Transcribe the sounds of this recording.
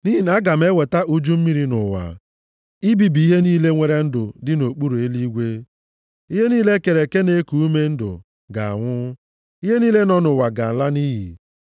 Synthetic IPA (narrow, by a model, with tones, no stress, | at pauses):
ni˦i˨na˦ɡa˨m˦e˦we˨ta˦ʔu˦d͡ʒu˦m̩˦mi˦ɾi˦nʊ̰˨wa̰˨ | i˦bi˨bi˨i˦ɦe˦niː˦le˦ŋʷe˦ɾe˦n̩˦dʊ˨dɪ˦no˨k͡pu˦ɾo˨e˦li˦ɡʷe˦ | i˦ɦe˦niː˦le˦ke˨ɾe˨ke˦ne˦ku˨u˦me˦n̩˦dʊ̰˨ | ɡa˨a̰˨ŋʷʊ˦ | i˦ɦe˦niː˦le˦nɔ˦nʊ˨wa˨ɡa˨la˦ni˦ɦḭ˨